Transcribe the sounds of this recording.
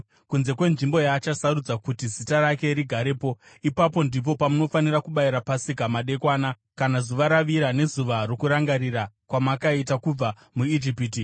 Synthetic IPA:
kunze̞kwe̞nʐimbo̞jaːt͡ʃasarud͡zakutizitaɾake̞ɾiɡʱaɾepo̞ | ipapo̞ndip̬o̞pamuno̞fanirakuɓaiɾapasikamaɗe̞kwaːna | kanazuʋaɾaʋiɾane̞zuʋarokuɾaŋɡaɾira | kwamakaitakub͡va | muid͡ʒipiti

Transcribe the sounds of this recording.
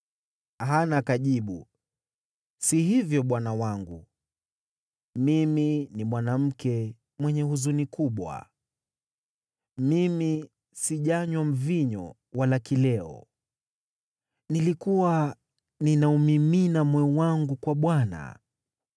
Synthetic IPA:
aɦanakaʄiɓu | siɦivjɔɓwanawaŋɡu | miminimwanam̩kɛ | mwɛɲɛhuzunikuɓwa̰ | mimi | siʄaɲwam̩viɲɔ̰ | walakilɛɔ̰ | nilikuwa | ninaumiminamwɛwaŋɡukwaɓwana̰

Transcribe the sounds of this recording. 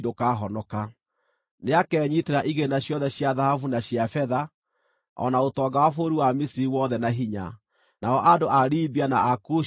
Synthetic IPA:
dokaɦɔnɔka | neakɛːɲiteɾaʔiɣenaɕjɔðɛɕjaðahafunaɕjafɛða | ɔ̰naotɔːɡawafoːɾiwamisiɾiwɔðɛnaɦiɲa̰ | naɔʔadoʔaɾiːbianaaku

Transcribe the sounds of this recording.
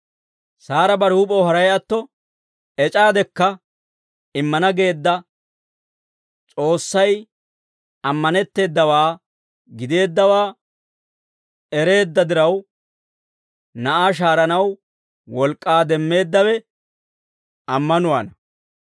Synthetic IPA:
saːɾɐbɐɾuːpʼowɦɐɾɐjɐt̪ːɔ | ɛt͡ʃʼaːd̪ɛkːɐ | ɪmːɐnɐɡe̞ːd̪ːɐ | t͡ʃʼo̞ːsːɐj | ɐmːɐnɛt̪ːe̞ːd̪ːɐwaː | ɡɪd̪e̞ːd̪ːɐwaː | ɛɾe̞ːd̪ːɐd̪ɪɾɐw | nɐʔaːʃ̬aːɾɐnɐw | wɔlkʼːaːd̪ɛmːe̞ːd̪ːɐwɛ | ɐmːɐnʊwanɐ

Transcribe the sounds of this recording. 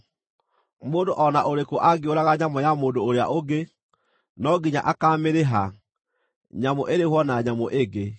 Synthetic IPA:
moːndoʔɔnaʔoɾekoʔaɡeoɾaɣaɲamɔjamoːndoːɾea̰ʔoɡe | nɔɡiɲa̰ʔakaːmeɾeɦa | ɲamoʔeɾehwɔnaɲamoʔeɡe

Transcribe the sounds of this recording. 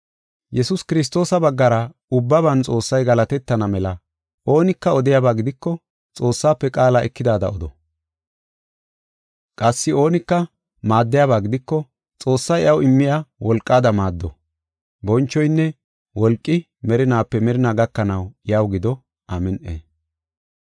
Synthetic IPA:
jɛsʊskɪɾɪs̬t̪o̞ːsɐbɐɡːɐɾɐ | ʊbːɐβɐnt͡sʼo̞ːsːɐjɡɐlɐt̪ɛt̪ːɐnɐmɛlɐ | ʔo̞ːnɪkːɐɔd̪ɪjaːbaːɡɪd̪ɪkːɔ | t͡sʼo̞ːsːaːpːɛkʼaːlaʔɛkːɪd̪aːd̪ɐ̰ɔd̪ɔ | kʼɐsːɪo̞ːnɪkːɐ | maːd̪ːɪjaːβaːɡɪd̪ɪkːɔ | t͡sʼo̞ːsːɐjʔɐwɪmːɪjawɔlkʼːaːd̪ɐmaːd̪ːɔ | bɔnt͡ʃːɔjnːɛ | wɔlkʼːɪ | mɛɾɪnaːpːɛmɛɾɪnaːɡɐkːɐnɐwɪjɐwɡɪd̪ɔ | ʔamɛnʔḛː

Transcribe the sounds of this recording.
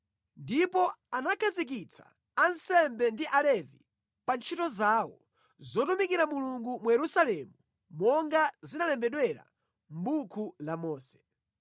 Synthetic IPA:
ndipɔanakʰazik̬it͡sʰḁ̰ | ansɛmbɛndiʔalɛvi | pant͡ʃʰitɔzaːwɔ | zɔtumikiɾamuluŋɡumujɛɾusalɛmu | mɔŋɡazinalɛmbɛɗwɛɾa̰ | m̩ɓukʰulamɔːsɛ̥

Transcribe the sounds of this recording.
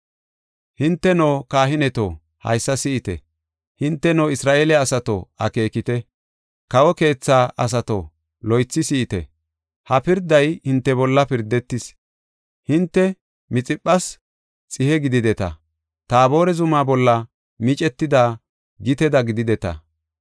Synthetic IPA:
hɪnt̪ːɛnoːkaːɦɪnɛt̪o̰ | hɐ̰jsːɐsɪʔɪt̪ɛ̰ | hɪnt̪ːɛnoːɪsɾaːʔeːlɛɐsɐt̪o̰ɐke̞ːkɪt̪ɛ | kɐwɔke̞ːt͡sːaːʔɐs̬ɐt̪o̰ | lɔjt͡sːɪsɪʔːt̪ɛ̰ | hɐpɪɾd̪ɐjhɪnt̪ːɛbɔlːɐpɪɾd̪ɛt̪ːɪs | hɪnt̪ːɛ | mɪt͡sʼɪpʼːɐs | t͡sʼɪhɛɡɪd̪ɪd̪ɛt̪ɐ̰ | t̪aːbo̞ːɾɛzʊmaːbɔlːɐ | mɪt͡ʃʼɛt̪ːɪd̪aː | ɡɪt̪ɛd̪ɐɡɪd̪ɪd̪ɛt̪ɐ̰

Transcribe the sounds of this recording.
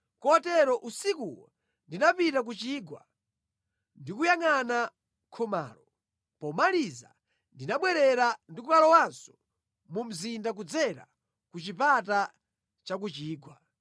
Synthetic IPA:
kɔtɛɾɔʔusikuwɔ̰ | ndinapitak̬ut͡ʃiːɡwa̰ | ndikujaŋana | kʰɔma̰ːlɔ | pɔmaliza̰ | ndinaɓwɛɾɛɾandikukalɔwansɔ̥ | mum̩zindak̬ud͡zɛɾa̰ | kut͡ʃipata | t͡ʃak̬ut͡ʃiːɡwa

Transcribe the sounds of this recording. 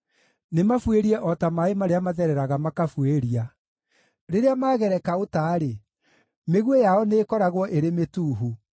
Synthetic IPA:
nemafweɾiɛʔɔtamaemaɾeamaðɛɾɛɾaɣamakafweɾia | ɾeɾeamaːɣɛɾɛkaotaːɾe | meɣwejaɔneːkɔɾaɣwɔʔeɾemetuːɦu

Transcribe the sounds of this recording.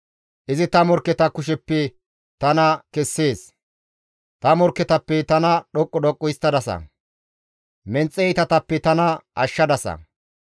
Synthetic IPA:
ʔɪzɪt̪ɐmɔɾkːɛt̪ɐkʊʃ̬ɛpːɛ | t̪ɐnɐkɛsːe̞ːs | t̪ɐmɔɾkːɛt̪ɐpːɛt̪ɐnɐɗɔkʼːɔd̪ɔkʼːɔjɪst̪ːɐd̪ɐsɐ̰ | mɛnt͡sʼːɛjt̪ɐt̪ɐpːɛt̪ɐnɐʔɐʃːɐd̪ɐsɐ̰

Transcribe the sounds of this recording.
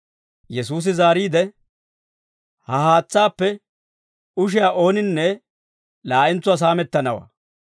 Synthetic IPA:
jɛsuːs̬ɪzaːɾiːd̪ɛ | hɐhaːt͡sːaːpːɛ | ʊʃ̬ɪjaːʔo̞ːnɪnːɛ | laːʔɪnt͡sːʊaːs̬aːmɛt̪ːɐnɐwɐ̰

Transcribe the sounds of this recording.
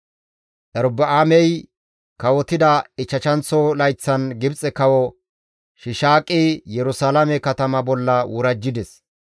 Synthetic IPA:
ʔɛɾbɐʔaːmɛj | kɐwɔt̪ɪd̪ɐɪt͡ʃːɐt͡ʃɐnt͡sːɔlɐjt͡sːɐnɡɪbt͡sʼːɛkɐwɔ | ʃɪʃaːkʼːijɛɾʊsaːlɐmɛkɐt̪ɐmɐbɔlːɐwʊɾɐd͡ʒːɪd̪ɛs

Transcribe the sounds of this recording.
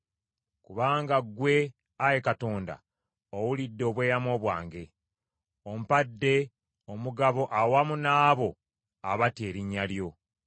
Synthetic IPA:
kuβaːŋɡaɡwe̞ | aje̞kato̞ːnda̰ | owulidːo̞ːβwe̞ːjamo̞ːβwa̰ːŋɡe̞ | omupadːe̞ | omuɡaβo̞ʔawamunaːβo̞ | aβate̞ːɾiɲːaljo̞

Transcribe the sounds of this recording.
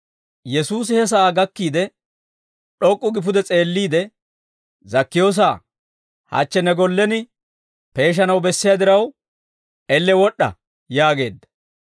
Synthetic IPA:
jɛsuːs̬ɪhɛs̬ɐaːɡɐkːiːd̪ɛ | ɗɔkʼːʊɡɪp̬ʊd̪ɛt͡sʼe̞ːlːiːd̪ɛ | zɐkːɪjo̞ːs̬aː | hɐ̰t͡ʃːɛnɛɡɔlːɛnɪ | pe̞ːʃ̬ɐnɐwbɛsːɪjad̪ɪɾɐw | ɛlːɛwɔɗːɐ̰ | jaːɡe̞ːd̪ːɐ̥

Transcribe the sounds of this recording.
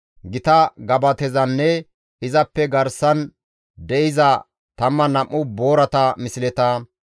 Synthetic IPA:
ɡɪt̪ɐɡɐbɐt̪ɛzɐnːɛ | ɪzɐpːɛɡɐɾsɐn | d̪ɛʔɪzɐ | t̪ɐmːɐnɐmːʊboːɾɐt̪ɐmɪsɪlɛt̪aː

